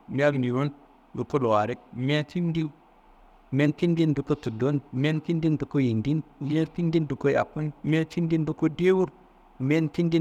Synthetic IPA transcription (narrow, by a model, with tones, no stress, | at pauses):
mi˦a˦ɡni˨ɾu˦n | bu˨ko˦lo˨wa˨ɾi˦k̚mʲ˦a˦ti˦n˦di˦ | mʲe˦nki˦ndi˦ndu˨ko˦tu˨do˦nmʲe˦nki˦ndi˦ndu˨ko˦ji˨ndi˦nmʲa˦ti˦ndi˦ndu˨ko˦ja̰˨kːu˦nmʲa˦t͡ʃi˦ndi˦n˦bu˦ko˦de˦wu˦ɾ | mʲe˦nti˦ndi˦